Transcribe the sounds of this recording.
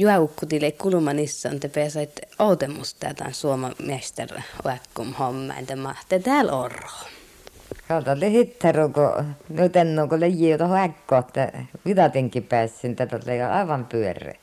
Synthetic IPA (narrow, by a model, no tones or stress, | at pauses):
juɑukːut̪ilekulumɑnisːɑ̰ːnt̪epeæsɑit̪oˑut̪emːust̪ːæ̰ːt̪ɑ̰nsuomɑmæst̪æ̰rho̰ækːumhomːɑ̰ḭnt̪æmɑht̪et̪æːlo̰roˑ | kɑˑt̪ɑolihit̪ːɑruːko̰nyt̪enːoːŋkolejːiːjot̪ɑhoækːoːt̪ːæʋit̪ɑt̪iŋkipæːsːænit̪ːæt̪olːeˑjɑɑ̰ˑiʋɑmpyørˑḛː